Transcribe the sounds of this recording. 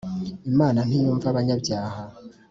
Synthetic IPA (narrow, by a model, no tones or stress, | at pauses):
imaːnamijuɱfaβaɲabd͡ʒaːha